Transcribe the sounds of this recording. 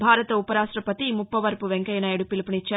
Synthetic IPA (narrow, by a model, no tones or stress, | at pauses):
bʱaːɾɐt̪ɐupɐɾaːsʈɾɐpɐt̪imupːɐʋɐɾpuʋeŋkɐjɐnɐːjɐɽupilipɐnit͡ʃːaː